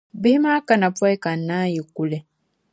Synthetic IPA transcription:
bi˦hi˦ma˦ka˦˨na˨pwa˦i˦ka˨nːa˦ji˨ku˨le˨

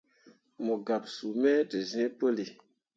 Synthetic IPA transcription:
mɔ˨ɡa˨psu˨mɛ˦də˨zɛ̃˦pə˦li˨

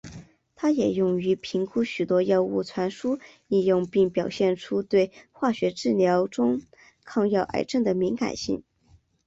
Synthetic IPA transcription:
t̪ʰa˥jɛ˨˩jʊ˥˩ŋy˧˥pʰi˧˥ŋkʰu˥˩ɕy˨˩t̪wɔ˥jɑ˥˧ʊu˥˩t͡sʰwa˧˥nʂu˥li˥˧jʊ˥˧ŋpi˥˩ŋpjɑ˨˩ʊɕjɛ˥˩nʈ͡ʂʰu˥t̪we˥˩ɪxwa˥˩ɕɥɛ˧˥ʈ͡ʂɻ̩˥˩ljɑ˧˥ʊʈ͡ʂʊ˥ŋ | kʰɑ˥˧ŋjɑ˥˩ʊʔa̰˨˩ɪʈ͡ʂə˥˩ŋd̪ə˩mi˧˥nka̰˨˩nɕḭ˥˩ŋ

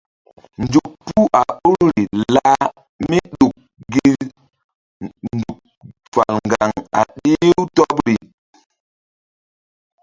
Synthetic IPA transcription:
n˨d͡ʒu˨k̚pu˦a˨o˦ɾɾi˨la˦ | mi˦ɗu˨k̚ | ɡi˦ | n̩˨du˨k̚ | fa˨lŋ˨ɡa˨ŋa̰˨ɗi˦u˦tɔ˦p̚ɾi˨

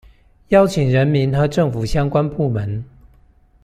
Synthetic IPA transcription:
jɑ˥ʊt͡ɕʰi˨˩ŋɻə˧˦˥nmi˧˥nxɤ˨˧˥ʈ͡ʂɤ˥˩ŋfu˨˩ɕjɑ˥ŋkwa˥npu˥˩mə˨˦n

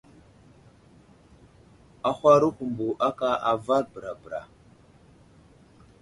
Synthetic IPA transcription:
a˨xʷa˦ɾu˦ku˨mbu˨ʔa˦ka˦ʔa˨va˦ɾbə˨ɾa˨bə˨ɾa̰˨

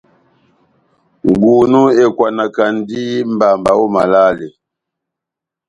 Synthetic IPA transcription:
ŋ˨ɡu˨nu˦e˨kwa˨na˨ka˨n˦di˦m˦ba˨mba˨wɔ˦ma̰˨la˦le˨

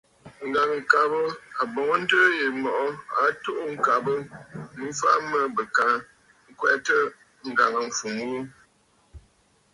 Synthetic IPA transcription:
ŋ̩˨ɡa˨ŋ˨ŋ̩˨ka˨bə˦a˨bɔ˨ŋə˦n̩˦dəː˦je˨mɔ˨ʔɔ˦a˨to˦ʔo˦ŋ̩˦˨ka˨bə˦n˦fa˦mə˦bə˨ka˨˦ | ŋ̩˦kwɛ˦tə˦ | ŋ̩˨ɡa˨ŋə˨ɱ̩˨fu˨ŋwu˦

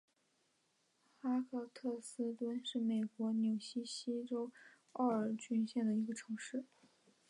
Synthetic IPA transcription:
xa˥kʰɤ˥˩t̪ʰɤ˥˩sɹ̩˥t̪wə˥nʂɻ̩˥˩me˨˩ɪkwɔ˧˥njo˨˩ʊɕi˥ɕi˥ʈ͡ʂo˥ʊ | ɑ˥˩ə˞˨˩t͡ɕy˥nɕjɛ˥˩nd̪ə˩i˧˥ɡə˧ʈ͡ʂʰɤ˧˥ŋʂɻ̩˥˩

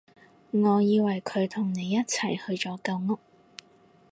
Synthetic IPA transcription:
ŋɔː˨˧jiː˧wɐ˨˩jkʰɵ˨˧ɥt̪ʰʊ˨˩ŋne˨˧jːɐ˥t̚t͡sʰɐ˨˩jhɵ˧ɥt͡sɔː˨˥kɐ˧wŋʊ˥k̚

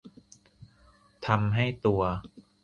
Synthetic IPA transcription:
t̪ʰa˧mɦa˥˩jt̪u˧ɐ

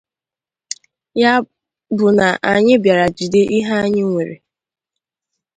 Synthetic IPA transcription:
ja˦ | bʊ˨na˨ʔa˨ɲɪ˦bja˨ɾa˨d͡ʒi˨de˦ʔi˦ɦa˦a˦ɲɪ˦ŋʷe˨ɾḛ˨

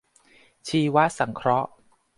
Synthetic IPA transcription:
t͡ɕʰiː˧wa˦˥sa˩˦ŋkʰɾɔ˦˥ʔ

